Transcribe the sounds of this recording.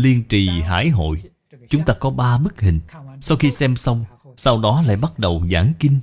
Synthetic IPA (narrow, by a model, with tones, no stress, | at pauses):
li˧ənt͡ɕi˨˩ɦa̰ː˧˥˩jɦo̰˧˨j | t͡ɕʊ˨˦ŋ͡mt̪aː˧kɔ˨˦ɓaː˧ɓɨ˦˥k̚hï˨˩ŋ̟sa˧wxi˧sɛ˧msə˧wŋ͡m | sa˧wɗɔ˨˦la̰ː˧˨jɓa˦˥t̚ɗə˨˩wza̰ː˧˩ŋkï˧ŋ̟